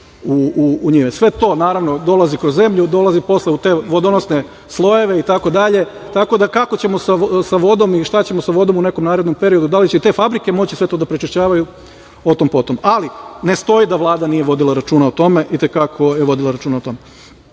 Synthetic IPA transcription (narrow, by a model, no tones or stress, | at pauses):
uuːɲimesʋe̞t̪o̞ːnaːɾaʋno̞d̪o̞lazikɾo̞zːe̞mʎud̪o̞lˠazipo̞sleut̪e̞ːʋo̞d̪onosne̞ | slˠo̞je̞ʋe̞it̪ako̞d̪aʎe̞ | t̪ako̞d̪akako̞t͡ɕe̞mo̞sasaʋo̞d̪o̞miʃt̪at͡ɕe̞mosaʋo̞d̪o̞mune̞komnaːɾe̞d̪no̞mpe̞ɾio̞d̪ud̪alit͡ɕet̪e̞fabɾike̞mo̞t͡ɕisʋe̞t̪od̪apɾet͡ʃiʃt͡ɕaːʋaju | ot̪ompo̞t̪omʔaline̞st̪o̞id̪aʋlˠaːd̪anije̞ʋo̞d̪ilˠaɾat͡ʃuːnaot̪o̞me̞ʔit̪e̞kakʰojeʋo̞d̪ilˠaɾat͡ʃuːnaot̪o̞me